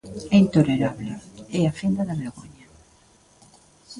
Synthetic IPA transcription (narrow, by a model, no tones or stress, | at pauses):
ɛint̪oleɾaβleɛafind̪ɐðɐβeɾɣoɲa